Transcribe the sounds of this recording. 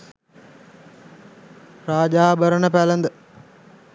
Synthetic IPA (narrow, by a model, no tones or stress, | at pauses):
raːd͡ʒaːbəɾənəpælənd̪ə